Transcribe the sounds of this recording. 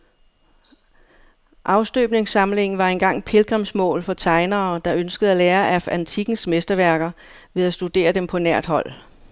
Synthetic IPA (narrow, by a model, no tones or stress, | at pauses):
ʔɑ̈ʊsd̥øːb̥ne̝ŋsɑ̈mle̝ŋ̰n̩ʋɑ̈enɡ̥ɑ̈ŋ̰pʰe̝lɡ̥ʁɛmsmɔ̰̽ːlfɒ̽t͡sʰɑ̈ɪnɐːd̥ɑ̈ønsɡ̥əð̩ˠæleːɐʔæfænt͡sʰiɡ̥n̩smesd̥ɐʋæɐɡ̥ɐ | ʋe̝ðˠæsd̥ud̥e̝̰ːɐd̥empʰɒ̽næɐ̰d̥ɦɒ̽l̰